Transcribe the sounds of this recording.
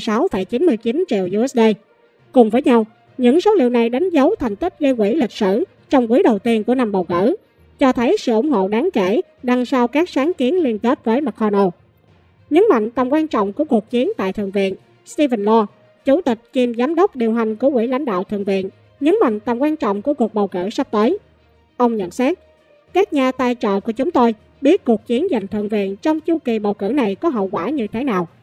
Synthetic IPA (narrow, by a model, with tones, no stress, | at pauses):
saː˨˦wfə˧˩˦jt͡ɕi˨˦nmɨ˧əjt͡ɕi˨˦nt͡ɕḭ˧˨əwʔu˧ɛ˦˥sɗə˧ | kʊ˨˩ŋ͡mvəː˨˦jɲa˧w | ɲɨ̰˧˥ŋso˨˦wlḭ˧˨wna˨˩jɗa˨˦ŋ̟zə˨˦wt̪ʰa˨˩ŋ̟t̪i˦˥k̚zəː˧jkwḭ˧˩lï˨˩k̟̚sɨ̰˧˩ | t͡ɕɔ˧wŋ͡mkui˨˦jɗə˨˩wt̪i˧ənku˧˩əna˧mɓə˨˩wɣə̰˧˩ | t͡ɕɔ˧t̪ʰə˨˦jsɨ̰˧˨ʔʊ˧˩ŋ͡mɦo̰˧˨ɗaː˨˦ŋke˧˩ | ɗa˧ŋsa˧wkaː˦˥k̚saː˨˦ŋki˨˦ənli˧ənk̪e˦˥t̚vəː˨˦jma˨˩kʰɔ˧no˧ | ɲə˨˦nma̰˧˨jŋt̪ə˨˩mŋ͡mkwaː˧nt͡ɕɔ̰˧˨wŋ͡mku˧˩əku˨˩ək̚t͡ɕi˨˦ənt̪a̰ː˧˨jt̪ʰɨ̰˧˨əŋvḭ˧˨ən | st̪i˧və˨˩nlɔ˧ | t͡ɕu˧˩t̪ï˨˩k̟̚t͡ɕi˨˩mzaː˨˦mɗə˦˥wk͡p̚ɗi˨˩əwɦa˨˩ŋ̟ku˧˩˦wḭ˧˩la̰˧˩ŋ̟ɗa̰ː˧˨wt̪ʰɨ̰˨˧˩əŋvḭ˧˨ən | ɲə˨˦nma̰˧˨jŋ̟t̪ə˨˩mŋ͡mkwaː˧nt͡ɕɔ̰˧˨wŋ͡mku˧˩əku˨˩ək̚ɓə˨˩wkɨ̰˧˨sa˦˥p̚t̪əː˨˦j | ʔə˧wŋ͡mɲə̰˧˨nsa˦˥t̚ | kaː˦˥k̚ɲaː˨˩t̪aː˧jt͡ɕɔ̰˧˨ku˧˩ət͡ɕʊ˨˦ŋ͡mt̪o˧j | ɓi˦˥ət̚ku˨˩ək̚t͡ɕi˨˦ənza˨˩jŋ̟t̪ʰɨ̰˧˨əŋvḭ˧˨ənt͡ɕɔ˧wŋ͡mt͡ɕu˧ki˨˩ɓə˨˩wkɨ̰˧˩na˨˩jkɔ˨˦ɦə̰˧˨wkwaː˧˩ɲɨ̰˧˨t̪ʰaː˨˦jnaː˨˩w